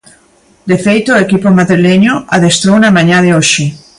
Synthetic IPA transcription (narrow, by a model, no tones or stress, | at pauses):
d̪efejt̪oekipomaðɾileɲoaðest̪ɾownamãɲaðeoʃɪ